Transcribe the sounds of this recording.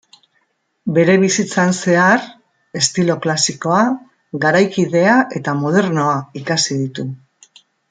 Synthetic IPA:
be̞ɾe̞βisit͡sanse̞aɾ | e̞st̪ilo̞klasiko̞a | ɣaɾajkiðe̞aʔe̞t̪amo̞ð̞e̞ɾno̞aikasið̞it̪u

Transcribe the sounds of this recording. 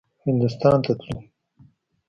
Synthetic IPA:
hɪnd̪ʊst̪ɑːnt̪at̪lu

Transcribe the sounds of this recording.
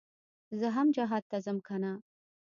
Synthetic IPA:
zəɦamd͡ʒaɦad̪̚t̪ːazəmkʰana

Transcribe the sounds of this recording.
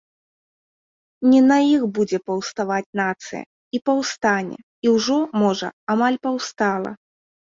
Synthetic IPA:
nʲɛnɐjixbud͡zʲɛpɐwst̪avat͡sʲnat̪sɨ̰jɐ̰ | ipɐwst̪anʲɛ̰ | iwʐɔmɔʐɐ̰amalʲpawst̪alˠɐ̰

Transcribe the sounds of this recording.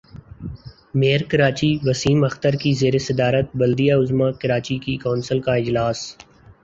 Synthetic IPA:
meːəɾkɐɾaːt͡ʃiʋɐsiːmɐxt̪əɾkizeːɾesɐd̪aːɾət̪̚bɐld̪ijaʊzmakɐɾaːt͡ʃikikaːnsəlkaɪd͡ʒlaːs

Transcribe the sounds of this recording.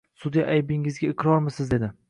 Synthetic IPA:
sʊd̪ijaʔajbɪŋɪzɡʲaɪqɾɒɾmɪsɪzd̪e̞d̪ɪ

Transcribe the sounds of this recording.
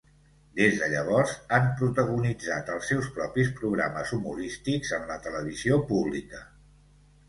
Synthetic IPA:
d̪ezðəʎəβ̞ɔrzampɾut̪əɣunid͡zat̪əlˠsːɛwspɾɔpis̬pɾuɣɾaməzumuɾist̪ikzəmlət̪ələβ̞iziopuβlḭkə

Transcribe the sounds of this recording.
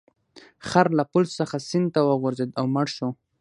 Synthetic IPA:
xaɾlapʊlsːəxasɪnd̪̚t̪awəɣʊɾzed̪awmaɽʃo

